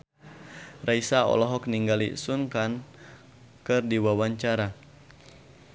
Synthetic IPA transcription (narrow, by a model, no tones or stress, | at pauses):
raisaɔ̰lɔɦɔkniŋɡalḭsunkan | kɨrdiwawaɲt͡ʃaɾa